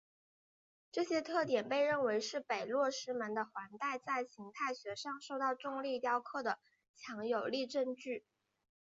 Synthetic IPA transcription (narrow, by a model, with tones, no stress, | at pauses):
ʈ͡ʂɤ˥˩ɕjɛ˥t̪ʰɤ˥˩t̪jɛ˨˩npe˥˧ɪɻə˥˩nwe˧˥ɪʂɻ̩˥˩pe˨˩ɪlwɔ˥˩ʂɻ̩˥mə˧˥nd̪ə˧xwa˧˥nt̪a˥˧ɪt͡sa˥˩ɪɕi˧˥ŋt̪ʰa˥˩ɪɕɥɛ˧˥ʂɑ˥˧ŋʂo˥˧ʊt̪ɑ˥˧ʊʈ͡ʂʊ˥˧ŋli˥˧t̪jɑ˥ʊkʰɤ˥˩d̪ə˩ | t͡ɕʰjɑ˧˥ŋjo˨˩ʊli˥˧ʈ͡ʂə˥˧nt͡ɕy˥˩